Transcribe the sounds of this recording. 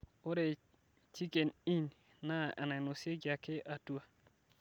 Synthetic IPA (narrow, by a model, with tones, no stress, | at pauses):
o˦ɾe˨ | t͡ʃi˦ke˨ni˦n | na˦ʔa̰˨na˨no˨se˦ɡa˨ke˦ʔa˨tu˦a˨